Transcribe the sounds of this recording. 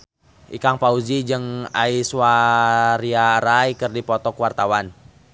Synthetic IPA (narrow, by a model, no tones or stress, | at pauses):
ʔikaŋpaud͡ʒid͡ʒɨŋaiswaɾiaɾaikərdipɔt̪ɔkwart̪awan